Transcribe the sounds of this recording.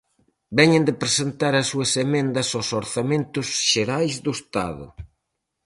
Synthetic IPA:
bɛɲend̪epɾesent̪aɾɐsːuɐsemẽnd̪ɐsosoɾθamẽnt̪ʊsʃeɾajzðʊest̪a̰ðʊ̰

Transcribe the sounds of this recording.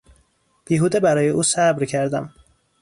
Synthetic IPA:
b̥iːɦuːd̪ebæɾɒːjeʔuːsæbɾcʰæɾd̪æm

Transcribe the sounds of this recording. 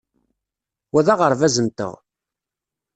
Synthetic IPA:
wæðæʁəɾˤvæzənt̪ə̰ʁ

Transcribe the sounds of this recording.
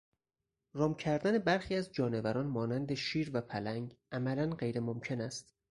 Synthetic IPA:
ɾɒːmcʰæɾd̪æne̞bæɾxiːæzd͡ʒɒːne̞væɾɒːnmɒːnænd̪eʃiːɾvæpʰælæŋɡʔæmælænɢejɾemomcʰe̞næst̪

